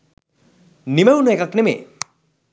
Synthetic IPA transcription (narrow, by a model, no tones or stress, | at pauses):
nimewnuekaknemḛ